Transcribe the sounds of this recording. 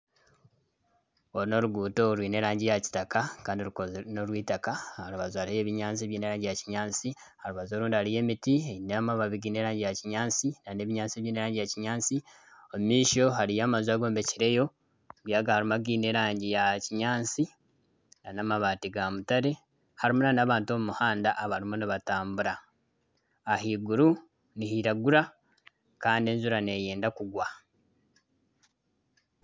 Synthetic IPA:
oɾino̞ɾuɡuːto̞ɾwiːne̞ɾaːɲɟijaci̥takakaːndiolukonoɾwiːtakahaɾuβazuaɾieje̞ːβiɲaːnt͡siβjiːne̞ɾaːɲɟijaciɲaːnt͡si | haluβazo̞ːɾuːndihalije̞ːmitienamaβaβiɡiːne̞ːɾaːɲɟijaciɲaːnt͡sinane̞ːβiɲaːnt͡sieβjiːne̞ɾaːɲɟijaciɲaːnt͡si | omumiːʃo̞ɦaɾijaːmazaːɡo̞ːmbe̞ciɾe̞jo̞ | βjaːɡahaɾimaɡiːne̞ɾaːɲɟijaciɲaːnt͡si | nanamaβaːtiɡamutaɾe̞ | haɾimunanaβaːntuo̞mumuhaːndaʔːβaɾimuniβataːmbuɾa | ɦiɡuɾu | nihiɾaɡuɾa | kaːndienzuɾane̞je̞ːndakuɡwa

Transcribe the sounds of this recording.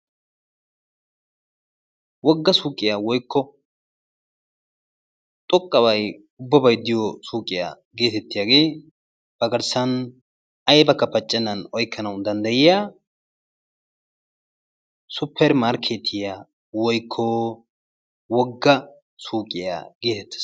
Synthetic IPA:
wɔɡːɐsuːkʼɪjawɔjkʰːɔ | t̪ʼɔkʼːɐwɐj | ʊbːɐbɐjd̪ɪjɔsuːkʼɪja̰ː | ɡe̞ːt̪ɛt̪ːɪjaːɡe̞ː | b̥ɐɡɐɾsɐn | ɐjbɐkːɐpɐt͡ʃʼːɛnːɐnɔjkʰːɐnɐwd̪ɐnd̪ɐjɪjaː | sʊpʰːɛɾmaːɾkʰeːt̪ʰɪjaː | wɔjkʰːɔ | wɔɡːɐ | suːkʼːɪja̰ːɡe̞ːt̪ɛt̪ːɐ̥

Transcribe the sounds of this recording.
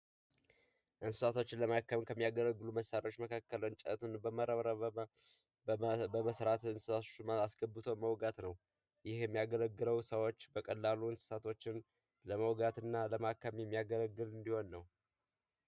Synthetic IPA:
ʔɨnsɨsat̪ʰo̞t͡ʃːɪnləmakːəmkʰəmːijaɡələɡːɨluməsaɾo̞t͡ʃːməkʰakːələwnt͡ʃʼə̰t̪ʰɨnbəməɾəβɾə | bəməsɾat̪ɨnsɨ̥sat̪ʰot͡ʃːasɡəbːɨt̪ʰoməwɡat̪nəw | jɪhjɛmːijaɡələɡːɨləwsəwot͡ʃːbəkʼəlːaluɨnsɨ̥sat̪ʰo̞t͡ʃːɪn | ləməwɡat̪ɨnːaləmakːəmjɛmːijaɡələɡːɨlɨnd̪iho̞nːəw

